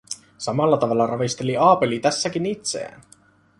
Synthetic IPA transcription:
sɑmɑlːɑt̪ɑʋɑlːɑrɑʋist̪eliɑːpe̞lit̪æsːæk̟init̪sḛːn

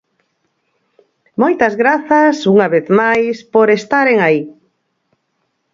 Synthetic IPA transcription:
mojt̪ɐzɣɾaθɐsuŋaβeθmajspoɾest̪aɾeŋai

